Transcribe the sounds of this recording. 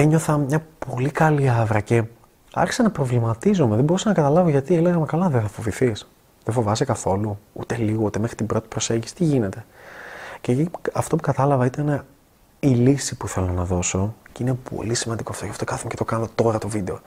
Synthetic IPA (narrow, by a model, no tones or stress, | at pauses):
eɲo̞θɐmɲɐpo̞likɐliɐvɾɐce̞ | ɐ̰ɾçi̥sɐnɐpɾo̞vlimɐt̪izomeðe̞bo̞ɾusɐnɐkɐt̪ɐlɐvoʝɐt̪ieleɣɐmekɐlɐðeθɐfo̞viθis | ðefo̞vɐsekɐθo̞luṵt̪eliɣo̞ut̪e̞mexɾit̪ibɾo̞t̪i̥pɾo̞se̞ɲɟisi̥t̪iʝine̞t̪e̞ | ceiɐft̪o̞pukɐt̪ɐlɐvɐit̪ɐne | ilisipuθe̞lo̞nɐðo̞so̞ceine̞pʰo̞̰lisimɐnd̪iko̞ɐft̪ocɐft̪o̞kɐθumecet̪o̞kɐnt̪ot̪o̞ɾɐt̪o̞vid̪e̞o